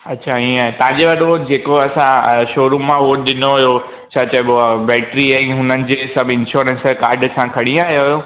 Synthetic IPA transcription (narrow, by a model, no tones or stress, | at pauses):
ɐtːɕʰaĩːaːɦet̪ɐ̃ɦãɲd͡ʑeʋɐɗod͡ʑeːkoɐsãʃoːɾũmmãʋoːʈ̚ɗɪnoɦʊjo | t͡ɕʰaːt͡ɕabbɛːʈɾiaɦʊnənɪ̆d͡ʑeːsɐbʱɪ̃nʃoːɾə̃nskaːɾɖsãkʰɐɽ̃ĩaːɦjoɦjo